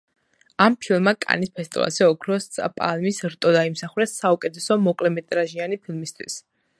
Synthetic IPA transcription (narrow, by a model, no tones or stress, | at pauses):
ampʰilˠmakʼa̰nispʰɛst̪ʼḭva̰lsɛɔkʰɾɔspʼa̰lmisɾt̪ʼɔd̪aimsaχuɾɛsːaukʼɛt̪ʰɛsɔmɔkʼlɛmɛt̪ʼɾaʒianipʰilˠmist̪ʰwḭs